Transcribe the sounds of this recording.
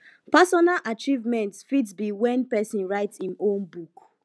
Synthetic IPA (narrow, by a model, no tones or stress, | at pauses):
pasɔnalʔat͡ʃivmɛ̃ntfidsbiwɛ̃npɛsĩnɹaɪtsĩnõnbuk